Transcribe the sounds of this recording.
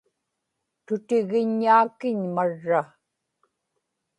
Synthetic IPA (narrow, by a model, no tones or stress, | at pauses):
t̪ʊt̪ɪɣɪɲːaːkɪɲmaɻːa